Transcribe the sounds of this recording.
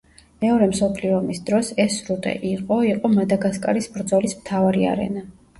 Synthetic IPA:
mɛɔɾɛmsɔpʰliɔmisd̪ɾɔsɛsɾut̪ʼɛ̰ʔiqʼɔiqʼɔmad̪aɡaskʼaɾisbɾd̪zɔlismt̪ʰavaɾia̰ɾɛ̰na

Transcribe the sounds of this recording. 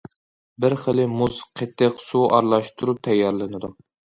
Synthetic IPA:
bɪɾχəlɪmuzqʰet̪ʰːɪqsuʔɑ̰ɾlˠɑʃt̪ʰuɾup̚t̪ʰɛjːɑɾlˠɨnɨd̪u

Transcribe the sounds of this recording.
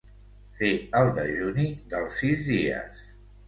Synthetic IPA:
feəlˠd̪əʒunid̪əlˠsːizðiə̰s

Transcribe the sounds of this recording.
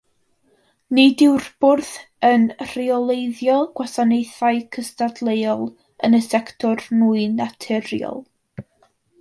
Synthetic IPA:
nidɪwrb̥ʊrθ | ənr̥iɔlˠejðjɔɡ̥wasanejθaɨkʰəstadlˠejɔlˠ | ənəsɛktʰɔrnuːɨnatʰɛɾjɔ̰lˠ

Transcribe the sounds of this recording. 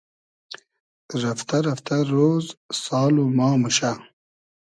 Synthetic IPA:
ɾɐft̪ɐɾɐft̪ɐɾoːzsɑːlomɑːmuʃa

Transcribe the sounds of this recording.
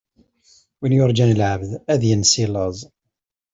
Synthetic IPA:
winjʊɾˤd͡ʒænlʕəvðæðjənsiləzˤ

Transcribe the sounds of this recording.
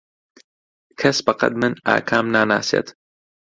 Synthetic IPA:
kʰɐsbɐqɐ̰t̪mɨna̰ːkʰaːmnaːna̰ːseːt̪

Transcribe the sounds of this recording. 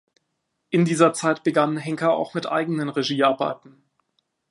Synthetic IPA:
ʔɪndiːzɐt͡saɪtb̥əɡanɦɛŋkɐa̰ʊxmɪtʔa̰ɪɡənənʁeʒiːaɐba̰ɪtn̩

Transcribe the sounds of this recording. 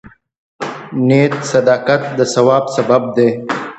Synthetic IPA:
net̪sɐd̪ɑːkat̪̚d̪əsɐwɑːbsɐbab̚d̪e

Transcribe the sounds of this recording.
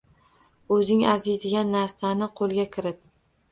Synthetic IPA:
ɵzɪŋaɾzejd̪ɪɡʲanːaɾsanɪqʰolˠɡʲakʲʰɪɾɪp̚

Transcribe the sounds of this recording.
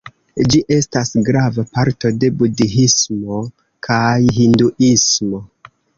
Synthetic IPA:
d͡ʒiʔe̞stasɡɾavapaɾto̞de̞budiɦismo̞ | kʰajɦinduʔismo̞

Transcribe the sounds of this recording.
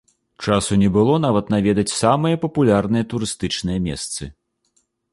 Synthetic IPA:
t͡ʂasunʲɛbɨlˠɔnavɐt̪navʲɛd̪ɐt͡sʲsamɨjɐpɐpulʲarnɨjɐt̪uɾɨst̪ɨt͡ʂnɨjɐmʲɛ̰st̪sɨ

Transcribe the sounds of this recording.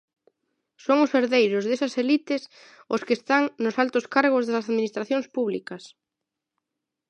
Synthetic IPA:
soŋʊseɾðejɾʊzðesɐselit̪ɪs | ʊskɪest̪aŋnʊsalt̪ʊskaɾɣʊzðɐsɐsaðminist̪ɾaθjoŋspuβlḭkɐs

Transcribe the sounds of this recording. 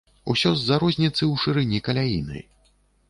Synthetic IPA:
ṵsʲɔzːaɾɔzʲnʲit̪sɨwʂɨɾɨnʲikɐlʲajḭnɐ̰j

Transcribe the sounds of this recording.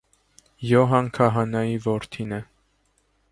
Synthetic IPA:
jɔɦɑŋkʰɑɦɑnɑjivɔɾt̪ʰinɛ

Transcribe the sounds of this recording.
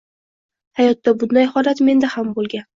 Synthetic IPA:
hajɒt̪ːabʊd̪najhɒlat̪me̞nd̪ahambolˠɡʲan

